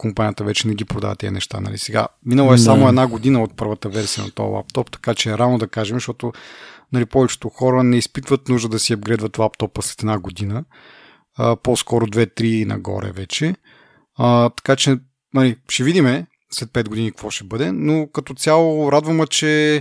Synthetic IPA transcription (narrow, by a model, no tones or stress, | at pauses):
kompanʲiət̪əvɛt͡ʃɛnɛɡ̟ipɾod̪a̰və̰t̪ːɛ̰ɛ̰nɛ̰ʃt̪a̰nɐ̰lḭsɛɡa̰minəlˠɛsamoɛd̪naɡod̪inəot̪̚pɤɾvət̪əvɛɾsiə̰nɐ̰t̪o̰lˠa̰p̚t̪ɔpt̪ɐ̥kat͡ʃɛːɾanod̪ɐkaʒɛmʃt̪ɔt̪ʊnɐlipɔvɛt͡ʃɛ̥t̪ʊxɔɾənɛispit̪vət̪nuʒd̪əd̪ɐsiɐbɡɾɛd̪vət̪lˠapt̪ɔpəslɛt̪ɛd̪naɡod̪inə | poskɔɾʊd̪vɛt̪ɾinɐ̰ɡɔ̰ɾɛ̰vɛt͡ʃɛ | ət̪ɐ̥kat͡ʃɛ | nɐliʃɛvid̪imɛ | slɛt̪̚pɛd̪̚ɡod̪inikvɔʃɛbɤd̪ɛnokɐt̪ot̪sʲalˠoɾad̪vɐmət͡ʃɛ